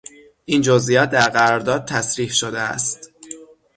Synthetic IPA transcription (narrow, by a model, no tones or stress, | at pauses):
ʔiːnd͡ʒozʔijɒːt̪̚d̪æɾɣæɾɒɾd̪ɒːd̪̚t̪ʰæsɾiːhʃod̪eæ̰st̪